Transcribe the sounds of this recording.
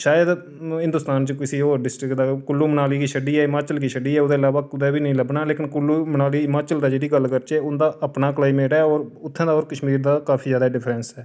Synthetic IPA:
ʃaːjəd̪ | ɦɪ̃nd̪ʊst̪aːnt͡ʃəkɪsiːoːɾɖɪsʈɾɪkd̪aːkʊlːuːmənaːliːkiːʃəɖiːɛːɪmaːt͡ʃəlkiːʃəɖiːɛːod̪eːɪlaːʋaːkʊd̪ɛːbiːnəĩːləbnaːleːkɪnkʊlːuːmənaːliːɪmaːt͡ʃəld̪aːd͡ʒeːɽiːɡəlːkəɾt͡ʃɛːʊnd̪aːʔəpnaːkəlaːiːmeːɽaːɔːɾʊt̪ʰːɛ̃ːd̪aːoːɾkəʃmiːɾd̪aːkaːpʰiːzjaːd̪aːɖɪpʰɾɛnsɛː

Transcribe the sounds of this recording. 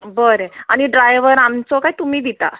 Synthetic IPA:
bəɾeaɽ̃iɖɾajʋəɾamt͡sɔkaɦjt̪umiːd̪it̪a̰

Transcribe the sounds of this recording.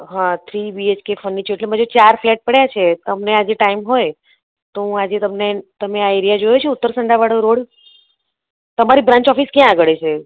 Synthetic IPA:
ɦãt̪ʰɾibiet͡ɕkefənːit͡ɕʰeʈlem̤əd͡ʑet͡ɕaɾflɛʈ̚pəɽjat͡ɕʰet̪əmnead͡ʑiʈaimɦoj | t̪ũad͡ʑet̪əmnet̪əmẽajiɾijad͡ʑojet͡ɕʰeut̪ːəɾsəɳɖaʋaɽəɾoɽ | t̪əmaɾiːbɾãɲt͡ɕɔfiːskiãːɡəɽet͡ɕʰe

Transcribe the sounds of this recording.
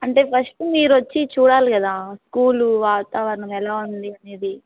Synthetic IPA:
ɐɳʈe̞ːpʰɐsʈumiːɾuʋɐt͡ʃːit͡ʃuːɽaːlikɐd̪aːskuːluʋaːt̪aːʋɐɾnɐmɛlaːund̪iɐne̞ːd̪i

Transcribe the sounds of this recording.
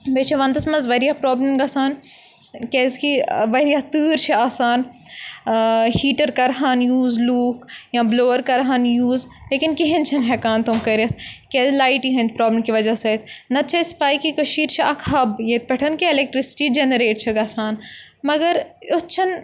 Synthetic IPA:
beːt͡ʃʰɐʋɐ̃nt̪ɐsmɐzʋɐɾijapɾɔːbləmɡaːsaːn | kezkiʋɐɾijat̪ɨːɾt͡ʃʰiaːsaːn | hiːʈɐɾkɐɾɦaːnjuːzluːkjãbloːəɾkɐɾɦaːnjuːz | leːkinkeɦẽnt͡ʃʰɐnɦɛkaːnt̪omkɐɾɐt̪ʰkeːzlaːiʈiɦɐ̃nʲt̪pɾoːblmkiʋɐd͡ʒasɐt̪ʰnɐt͡ʃʰɐspaːjkikɐʃiːɾt͡ʃʰiɐkʰɦɐbjeːt̪̚pɛʈʰɐnkeɪlek̚ʈɾɪsɪ̥ʈid͡ʒenəɾeːʈt͡ʃʰɐɡaːsaːnmɐɡɐɾot͡ʃʰɐn

